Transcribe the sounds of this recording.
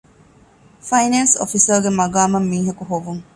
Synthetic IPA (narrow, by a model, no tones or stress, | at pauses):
fɐjneːnso̰fisɐɾɡemɐɡaːmɐmːiːɦɐkuɦoʋuŋ